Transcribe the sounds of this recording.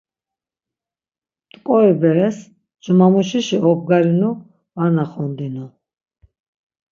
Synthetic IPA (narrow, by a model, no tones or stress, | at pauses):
t̪ʼkʼɔibɛɾɛs | d͡ʒumamuʃiʃiʔɔb̚ɡaɾinu | vanaχɔnd̪inu